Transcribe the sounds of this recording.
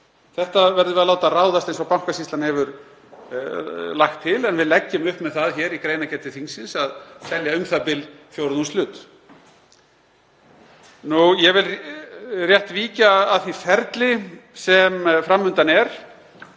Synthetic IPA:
θɛht̪avɛɾðʏvɪðalaːwt̪araːwðast̪ejnsɔɣpawm̥kasist̪anhɛvʏɾ | lajxt̪ʰːɪlɛnvɪðlɛcːɪmʏhpmɛðθaðçɛɾikɾeːjnacɛt̪ɪθinsɪnsaðsɛljaʏmθapɪlfjowɾðumst̪lʏːt̪ | nujɛvɪl | rjɛht̪viːcaːðθifɛɾt̪lɪsɛmfɾamːʏnt̪anɛɾ̥

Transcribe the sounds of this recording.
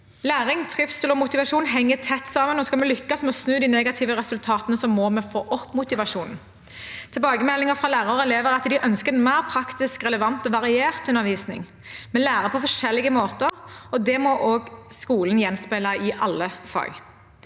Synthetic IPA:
læːɾɪŋt̪ʰʁɪfst̪lɔmʊt̪ɪʋɑʂuːnɦɛŋːət̪ʰɛt̪ːsɑːmənɔskɑlmɛlʏkːɑsmɛɔsnʉːd̪iːnɛːɡɑt̪ʰɪʋəʁɛsʉlt̪ʰɑːt̪ənəsɔmːɔmɛfoːʔɔpːmʊt̪ɪʋɑʂuːnn̩ | t̪ʰɪlbɑːɡəmɛlːɪŋəfʁɑlæːʁəɾɛleːʋəɾɑt̪d̪ɪʔœnskəɾɛnmæɪɾpʰɾɑkt̪ɪskʁɛləʋɑnt̪ɔʋɑʁɪeːɾt̪ʉnːəɾʋiːsnɪ̰ŋ | mɛlæːɾəpʰɔfɔʂɛlːɪɡəmoːt̪əɾɔd̪ɛmɔʔoːɡskuːln̩jɛnspæɪlɑɪʔɑlːəfɑ̰ɡ

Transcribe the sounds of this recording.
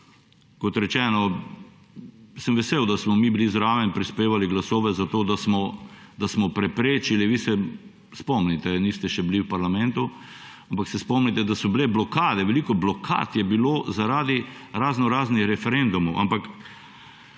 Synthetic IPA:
kɔt̪ɾɛt͡ʃɛːnɔ | səmʋɛsewd̪asmɔmibilizɾaːʋɛnpɾispeːʋaliɡlasɔːʋɛzat̪oːd̪asmɔd̪asmɔpɾɛpɾeːt͡ʃiliʋiːsɛ | spɔmnit̪ɛniːst̪ɛʃɛbliwpaɾlamɛnt̪u | ampaksɛspɔmnit̪ɛd̪asɔblɛblɔkaːd̪ɛʋɛliːkɔblɔkʰa̰t̪jɛbiloːzaɾaːd̪iɾaːznɔɾaːznixɾɛfɛɾɛnd̪umɔʔa̰mpak

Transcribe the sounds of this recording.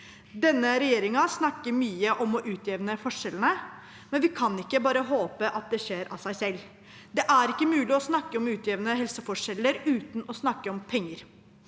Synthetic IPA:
d̪ɛnːəɾɛjeːɾɪŋɑsnɑkːəɾmyːəʔɔmɔʔʉːt̪ʰjɛʋnəfɔʂɛlənə | mɛnʋɪkʰɑnɪkːəbɑːɾəɦoːpəʔɑt̪̚d̪ɛʂeːɾʔɑ̰sæɪsɛlː | d̪ɛʔæɾɪkːəmʉːlɪɔsnɑkːəɔmʉːt̪jɛʋnəɦɛlsəfɔʂɛlːəɾʉːt̪nɔsnɑkːəɔmpʰɛŋːəɾ

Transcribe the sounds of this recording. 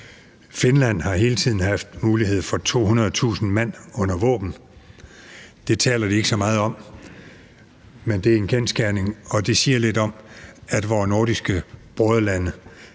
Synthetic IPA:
fe̝nlæn̰hɑ̈ɦe̝ːlət͡sʰið̰ˠn̩ɦɑ̈fd̥muːlihe̝ð̞̰ˠfɒ̽t͡sʰo̝̰ːhunɐð̞ˠt͡sʰṵːsn̩mæn̰ɔ̽n̰ɐʋɔ̰̽ːb̥n̩ | d̥e̝t͡sʰɛ̰ːlɐd̥ie̝ɡ̥əsɒ̽mɑ̈ːð̞̩ˠɒ̽m̰ | mend̥e̝æɐe̝nkʰensɡ̥æɐne̝ŋɒ̽d̥e̝siːɐle̝d̥ɒ̽mæd̥ʋɒːno̝ɐɾ̥isɡ̥əb̥ʁɔðˠəlænə

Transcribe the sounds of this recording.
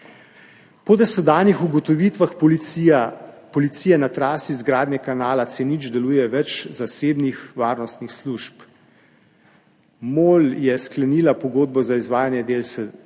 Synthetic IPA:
pɔd̪ɛsɛd̪aːnixuɡɔt̪ɔʋit̪ʋax | pɔlit̪sijɛnat̪ɾaːsizɡɾaːd̪nɛkanaːlat̪senid͡ʒd̪ɛluːjɛʋɛt͡ʃzaseːbnixʋaːɾnɔst̪nixsluʃp | moːljɛsklɛnilapɔɡoːd̪̚bɔzaizʋaːjanjɛd̪elsɛ

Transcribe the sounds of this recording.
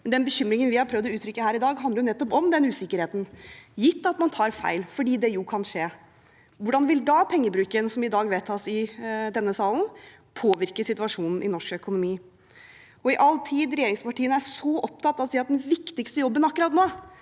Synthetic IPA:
mɛnd̪ɛnbəçʏmɾɪŋənʋɪhɑɾpʰɾœʋd̪ɔʉːt̪ɾʏkːəhæːɾɪd̪ɑːɡɦɑnd̪ɾjʊnɛt̪ːɔpɔmd̪ɛnʉːsɪkːəɾheːt̪n̩jɪt̪ːɑt̪mɑnt̪ʰɑːɾfæ̰ɪlfɔɖiːd̪ɛjʊkʰɑnʂeː | ʋʊɖɑnʋɪld̪ɑpʰɛŋːəbɾʉːkəɛnsɔmɪd̪ɑːɡʋeːt̪ʰɑːsɪd̪ɛnːəsɑːlən | pʰoːʋɪɾkəsɪt̪ʉɑʂuːnn̩ʔɪ̰nɔʂkœkʊnʊmiː | ɔɪʔɑlt̪ʰiːd̪ɾɛjeːɾɪŋspɑʈʰiːənæʂɔʔɔp̚t̪ʰɑt̪ːɑʋɔsiːɑt̪̚d̪ɛnʋɪkt̪ɪkst̪əjɔbːənɑkːʉɾɑt̪noː

